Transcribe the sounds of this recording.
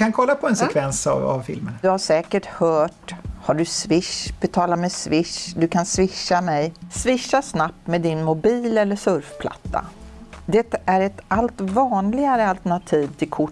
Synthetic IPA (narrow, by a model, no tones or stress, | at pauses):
kankʰɔlːapʰɔɛnsɛkʰvɛnsva̰vfɪ̰lmə̰nd̪ɵhaʂɛːkəʈhœːʈhaɖɵsvɪʂbɛt̪ʰɑːlamɛsvɪʂd̪ɵkʰansvɪʂːamɛjsvɪʂːasnap̚t̪meːd̪ɪnmʊbiːlɛlːəʂɵɾfpʰla̰t̪ʰːa̰d̪ɛt̪ːaæɾɛt̪alt̪vɑːnlɪɡaɾəalt̪əɳat̪ʰiːvt̪ʰɪlkʰʊ